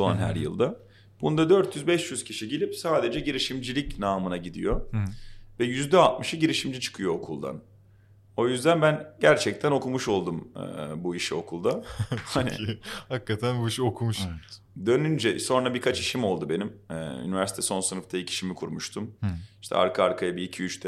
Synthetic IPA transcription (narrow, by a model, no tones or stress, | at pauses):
ʃua̰nɦæ̰ɾjɯ̰lˠd̪a | b̥und̪ad̪øɾt̪ʰjyzbɛʃjyz̥cʰiʃiɟelʲipsaːd̪e̞d͡ʒɛɟiɾiʃimd͡ʒilʲicnaːmɯnaɟid̪ḭjo̞ | vɛjyzd̪ɛalt̪̚mɯʃɯɟiɾiʃimd͡ʒit͡ʃʰɯ̥kʰɯjo̞okʰulˠd̪a̰n | o̞jyzd̪ænbænɟæɾt͡ʃʰɛc̚t̪ʰæno̞kʰumuʃo̞lˠd̪umɯ̰buiʃio̞̰kʰulˠd̪ahanḭhakːat̪ʰænbuiʃiokʰumuʃɛ | d̪ø̞nynd͡ʒɛso̞nɾabiɾkʰat͡ʃiʃimo̞lˠd̪ube̞nim̰ːy̰nivæɾsit̪ʰɛso̞nsɯnɯft̪ʰaicʰi̥ʃimikʰuɾmuʃt̪ʰumiʃt̪ʰɛ̰a̰ɾkʰaaɾkʰajabiːcʰiyt͡ʃt̪ʰɛ